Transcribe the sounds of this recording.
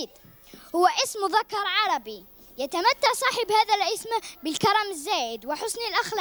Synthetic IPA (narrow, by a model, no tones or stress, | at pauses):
d̪ | hʊwːæʔɪsmðɑkːɑɾˤʕɑɾˤɑbi | jæt̪amæt̪ːaʕsˤɑːħəbhæðælʔəsmbəlkɑɾˤɑməzːæːʔəd̪wɪħʊsnilʔaxl